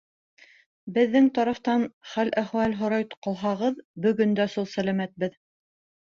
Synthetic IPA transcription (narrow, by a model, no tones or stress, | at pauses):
bɘ̆ðːɘŋt̪ɑɾɑft̪ɑnχælʔæχwælɦŏɾɑjt̪qɑlˠɦɑʁɤðbɵ̆ɡɵ̆nd̪æsulˠsælæmæt̪̚bɘð